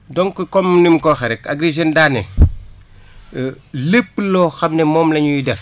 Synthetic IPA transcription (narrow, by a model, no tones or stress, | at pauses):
dɔŋkɔkɔmnimkɔxɛɾɛkaɡɾeʒendaːnɛ | lepːlɔːxɐmnɛmɔːmlɐɲujidɛf